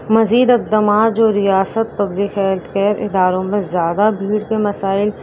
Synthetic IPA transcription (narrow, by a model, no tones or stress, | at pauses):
mɐziːd̪ɪq̚d̪əmaːt̪̚d͡ʒoːɾɪjaːsət̪̚pɐblɪkɛlt̪kɛːɾɪ̰d̪aːɾõmẽzjaːd̪abʱiːɽkemɐsaːɪl